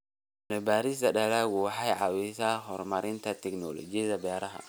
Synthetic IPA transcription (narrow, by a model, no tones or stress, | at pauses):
nɛbaːɾɪs̬d̪ɐɗɛlɛwʊħajʕɑwisahɔɾmɐɾɪnt̪ʰɐt̪ʰɛknɔlɔ̰d͡ʒɪðɐbɛːɾɐɦɐ̰